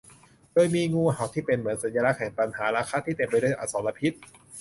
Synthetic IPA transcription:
doː˧jmiː˧ŋuː˧˩ɦa˨˩wt̪ʰiː˥˩pe˧nmɯ˩˦ənsa˨˦njaː˧la˦˥kʰɛː˨˩˦ŋpa˧nhaː˩˦ɾaː˧kʰaː˧˥t̪ʰiː˥˩t̪e˧˩mpa˧jdu˥˩˨jʔa̰ː˨˩sɔː˩˦la˧pʰi˦˥t̪̚

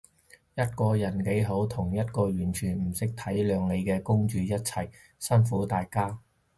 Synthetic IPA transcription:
jɐ˥t̚kɔː˧jɐ˨˩nke˨˥jɦo˨˥wt̪ʰʊ˨˩ŋjɐ˥t̚kɔː˧jyː˨˩nt͡ʃʰyː˨˩nm̩˨˩sɪ˥k̚t̪ʰɐ˨˥jlœː˨˧ŋle˨˧jkɛː˧kʊ˥ŋt͡ʃyː˨˧jɐ˥t̚t͡sʰɐ˨˩j | sɐ˥nfuː˨˥t̪aː˧jkaː˥

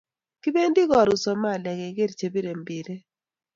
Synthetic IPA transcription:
ki˦be˦ndi˦ɣɔ˨ɾʊ˨sɔ˨ma˦˨lɛ˨ɣɛ˨˦ɡe˦ɾt͡ʃe˨bi˦ɾe˨mbi˨ɾe˦

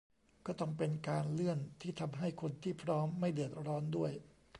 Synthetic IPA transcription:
kɔː˥˩t̪ɔ˥˩ŋpe˧nkaː˧nlɯ˥˩ənt̪ʰiː˥˩t̪ʰa˧mɦa˥˩jkʰo˧nt̪ʰiː˥˩pʰɾɔː˦˥mːa˥˩jdɯ˨˩ət̪̚ɾɔː˦˥ndu˥˩əj

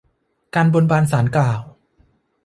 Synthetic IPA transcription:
kaː˧nbo˧nbaː˧nsaː˩˦nklaː˨˩w

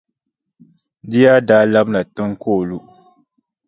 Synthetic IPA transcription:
dɪ˦ja˦daː˦la˦bna˨tɨ˦ŋkoː˦˨lu˦

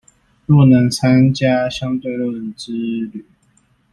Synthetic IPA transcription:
lɔ˥˩nə˧˥ŋt͡sʰa˥nt͡ɕja˥ɕjɑ˥ŋt̪we˥˧ɪlwu˥˩˨nʈ͡ʂɻ̩˥ly˨˩˦

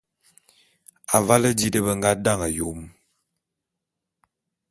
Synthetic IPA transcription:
a˨va˦lə˦di˦də˦bə˦ŋ̩˦ɡa˦da˦˨ŋə˨jo˨˦m

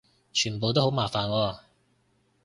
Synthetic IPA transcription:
t͡ʃʰyː˨˩np̬o˨wt̪̬o˥ɦwmaː˨˩faː˨˩nwɔː˧

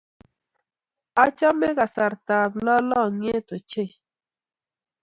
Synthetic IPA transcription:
a˦t͡ʃa˦me˦ɣa˨sa˨ɾta˨klɔ˦lɔ˦˨ŋ˦e˦to˨t͡ʃe˦˨

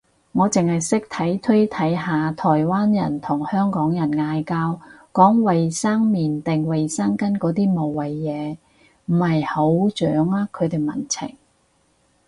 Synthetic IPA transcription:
ŋɔː˨˧t͡sɪ˨ŋhɐ˨jsɪ˥k̚t̪ʰɐ˨˥jt̪ʰɵ˥jt̪ʰɐ˨˥jɦaː˨t̪ʰɔː˨˩jwaː˥njɐ˨˩nt̪ʰʊ˨˩ŋhœː˥ŋkɔː˨˥ŋjɐ˨˩nŋaː˨˧jkaː˧wkɔː˨˥ŋwɐ˨jsaː˥ŋmiː˨˩nt̪ɪ˨ŋwɐ˨jsaː˥ŋkɐ˥nkɔː˨˥t̪iː˥mo˨wːɐ˨jːɛː˨˧ | m̩˨˩hɐ˨jho˨˥wt͡ʃœː˨˥ŋaː˥kʰːɵ˨˧ɥt̪e˨jmɐ̰˨˩nt͡sʰɪ̰˨˩ŋ

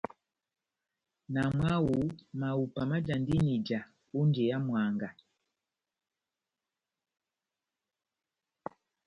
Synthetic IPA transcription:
na˨mwa˦wu˨ma˨u˨pa˨ma˦d͡ʒa˨ndi˦ni˨d͡ʒa˨ | u˦nd͡ʒɛ˨ja˦mwa˨ŋɡa˨

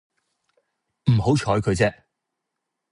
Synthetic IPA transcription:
m̩˨˩ho˨˥wt͡ʃʰɔː˨˥jkʰɵ˨˧jt͡sɛː˥

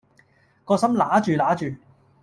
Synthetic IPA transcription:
kɔː˧sɐ˥mlaː˨˥t͡ʃyː˨laː˨˥t͡ʃyː˨

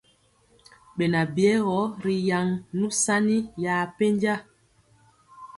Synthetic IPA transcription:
ɓe˨na˨bi˨ɛ˨˦ɣɔ˨˦ɾi˨ja˨ŋnũ˦sa˦ni˦jaː˨pe˦ɲd͡ʒa˦

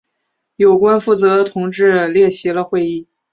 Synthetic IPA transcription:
jo˨˩ʊkwa˥nfu˥˩t͡sɤ˧˥d̪ə˧t̪ʰʊ˧˥ŋʈ͡ʂɻ̩˥˧ljɛ˥˩ɕi˧˥lə˧xwe˥˧ɪi˥˩

